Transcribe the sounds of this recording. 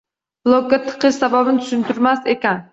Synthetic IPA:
blˠoɡɡat̪ʰɨ̥qʰɨʃsababɪnɪt̪ʰʊ̥ʃɪnt̪ʰɪɾmasekʲan

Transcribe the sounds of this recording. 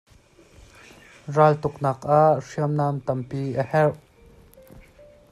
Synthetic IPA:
raːlt̪ʊknaːkʔaʔʂiəmnaːmt̪ɐmpiːʔəhɛrʔ

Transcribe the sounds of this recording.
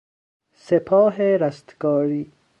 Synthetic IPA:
sepʰɔːɦeɾast̪ɡɔːɾiː

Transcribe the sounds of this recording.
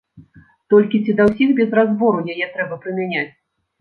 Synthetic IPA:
t̪ɔlʲkʲit͡sʲid̪ɐwsʲixbʲɛzrazvɔɾujajɛt̪ɾɛbɐpɾɨmʲanʲat͡sʲ

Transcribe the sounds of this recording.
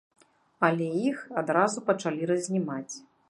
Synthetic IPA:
ɐlʲɛjixad̪ɾazupɐt͡ʂalʲiɾɐzʲnʲimat͡sʲ

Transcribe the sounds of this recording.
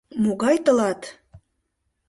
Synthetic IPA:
moɣɑjt̪ɤlɑt̪

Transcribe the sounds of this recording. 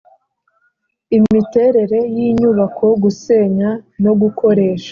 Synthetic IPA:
imite̞ɾe̞ɾe̞jiːɲuβakʰoɡuse̞ːɲano̞ɡuko̞ɾe̞ːʃḁ

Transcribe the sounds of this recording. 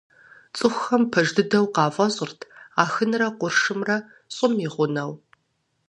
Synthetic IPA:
t͡sʼɨxʷxɐmpʰɐʒdɨdɐwqɑːfʼɐɕʼɪrtʰaːxɨnrɐqʷʊrʂɨmrɐ | ɕʼɪmiʁʷʊnɐw

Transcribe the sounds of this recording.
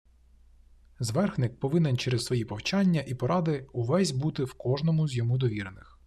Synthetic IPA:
zʋɛrxnɪk̚pɔʋɪnɪnt͡ʃɛɾɛzsʋɔjipɔwt͡ʃɑnʲːɐʔipɔɾɑd̪ɪuʋɛsʲbut̪ɪwkɔʒnɔmʊzʲjɔmud̪ɔʋʲiɾenɪx

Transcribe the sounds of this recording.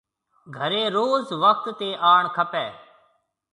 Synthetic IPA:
ɡʱəɾeːɾoːzʋək̚ʰt̪ːeːʔaːɳkʰəpɛː

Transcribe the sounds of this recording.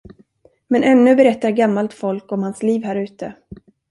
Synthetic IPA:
mɛnʔɛnːɵ̟bɛɾɛt̪ːaɾɡamːalt̪fɔlkɔmhansliːvhæːɾʉ̟ːt̪ə

